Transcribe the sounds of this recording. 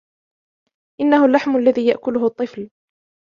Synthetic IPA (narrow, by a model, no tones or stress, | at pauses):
ʔɪnːahʊlːaħmalːaðiːjaʔkʊlʊɦʊt̪ˤːɨfl